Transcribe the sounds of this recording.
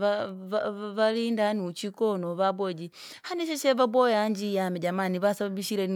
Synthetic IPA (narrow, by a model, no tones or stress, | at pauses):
a | βaliːndanut͡ʃikonoβabwod͡ʒi | haneʃeʃeβabojaɲd͡ʒijamed͡ʒamaniβasaββiʃiɾen